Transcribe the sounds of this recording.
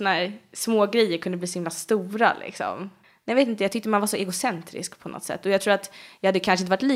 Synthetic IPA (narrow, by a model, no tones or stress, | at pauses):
ɔnaæːɾsmoːɡɾɛjːəɾkʰɵnd̪əbliːsɔhɪmlast̪uːɾa̰lʔɪ̰ksɔ̰m | nɛjveːt̪ɪnəjɑɡt̪ʏk̚t̪əmanvaʂɔʔɛɡʊsɛnt̪ɾɪ̰skpʰɔnɔ̰t̪ːsɛ̰t̪ːɔjɑɡt̪ʰɾuːɾat̪jɑhad̪ːəkʰanʂɛɪnəvaʈliː